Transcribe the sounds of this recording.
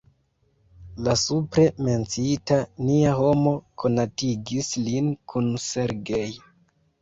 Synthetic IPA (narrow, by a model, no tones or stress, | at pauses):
lasupɾe̞me̞nt͡sitaniaho̞mo̞kʰo̞natiɡislinkʰunse̞ɾɡej